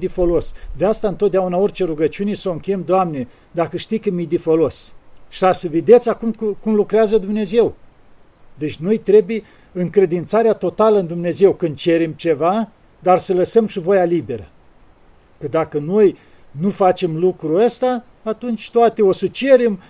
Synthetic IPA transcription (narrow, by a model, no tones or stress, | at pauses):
d̪ifo̞lo̞sd̪east̪aɨnt̪ot̪̚d̪eaunao̞rʲt͡ʃe̞ɾuɡət͡ʃiune̞səoɨŋkʲejemd̪oamne | d̪akəʃt̪ijkɨmid̪ifolo̞sʃiasəved̪e̞t̪sʲakumkukumlukɾeazəd̪umne̞ze̞w | d̪e̞t͡ʃʲno̞jt̪ɾe̞buje | ɨŋkɾe̞d̪int̪saɾeat̪o̞t̪aləɨnd̪umne̞ze̞wkɨnd̪̚t͡ʃe̞ɾemt͡ʃe̞va | d̪arsələsəmʃivo̞jalibe̞ɾə | kəd̪akəno̞j | nufat͡ʃe̞mlukɾuəst̪aː | t̪unt͡ʃʲt̪oat̪eo̞sət͡ʃe̞ɾem